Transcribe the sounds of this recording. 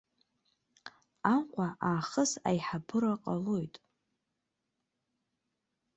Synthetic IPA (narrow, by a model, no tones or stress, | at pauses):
amqʷʼaʔaːχəsa̰jħabɨɾaqʼalo̞jtʼ